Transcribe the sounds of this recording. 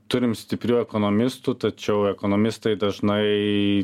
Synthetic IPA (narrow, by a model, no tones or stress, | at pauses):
t̪ʊɾʲɪmsʲt̪ʲɪpʲɾʲuːɛkoːnoːmʲɪst̪ut̪ɐt͡ʃʲɛʊɛkoːnoːmʲɪst̪ɐɪd̪ɐʒnɐɪ